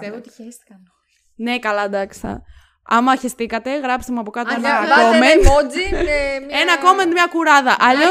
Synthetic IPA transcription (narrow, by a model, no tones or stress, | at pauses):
set̪s | ne̞kɐlɐd̪ɐkst̪ɐ̰ | ɐ̰mɐçest̪ikɐt̪e̞ɣɾɐpst̪emuɐpokɐt̪eɐkommenod͡zi | enɐko̞mend̪mɲɐkuɾɐðɐʔɐʎo